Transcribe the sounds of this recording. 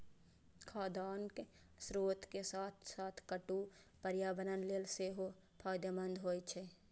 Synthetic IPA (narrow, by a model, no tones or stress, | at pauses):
kʰaːd̪aːnk | sɾoːt̪ʰkesaːt̪ʰsaːt̪ʰkəʈu | pəɾjaːbənənleːlseɦo | pʰaːd̪jəbə̃nd̪ɦoːjt͡ʃʰe